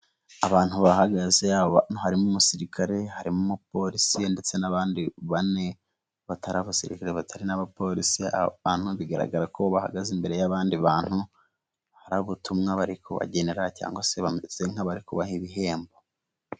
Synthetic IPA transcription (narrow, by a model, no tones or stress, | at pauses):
aβaːn̥huβahaɡazeaβanohaɾimumusiɾikʰaɾe̞haɾimumupo̞ɾisiende̞t͡se̞naβaːndiβane̞ | βatʰaɾaβasiɾḭkaɾeβatʰaɾinaβapo̞ɾḭsia̰aːn̥huβiɡaɾa̰ɡaɾako̞βaha̰ɡazimbe̞ɾe̞jaβaːndiβaːn̥hu | haɾaβutumŋaβaɾikʰoβa̰ɟe̞neɾaca̰ːŋɡose̞βamezeŋ̥haβaɾikuβahiβiɦe̞ːmbo